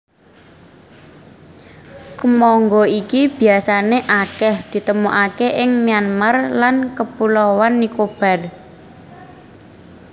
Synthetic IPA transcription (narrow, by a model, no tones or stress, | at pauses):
kəmɔŋɡɔikib̥i̤asaneʔakɛhd̪̥i̤t̪əmuʔakeʔɪŋmijanmərlankəpulɔwanːikob̥a̤l